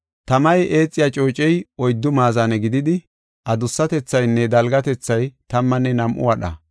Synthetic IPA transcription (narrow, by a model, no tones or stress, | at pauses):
t̪ɐmɐjʔeːt͡sʼːɪjat͡ʃʼo̞ːt͡ʃʼɛjɔjd̪ːʊmaːzanɛɡɪd̪ɪd̪ɪ | ʔɐd̪ʊsːɐt̪ɛt͡sːɐjnːɛd̪ɐlɡɐt̪ɛt͡sːɐjt̪ɐmːɐnːɛnɐmʔʊ̰wɐɗɐ̰